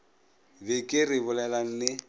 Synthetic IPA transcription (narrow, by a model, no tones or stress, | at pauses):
bɪkʼɪrɪbʊlɛlaŋ̩nɪ